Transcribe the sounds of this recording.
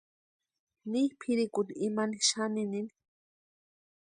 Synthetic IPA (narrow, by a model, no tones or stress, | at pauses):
nihpʰiɾikut̪iimaniʃaninini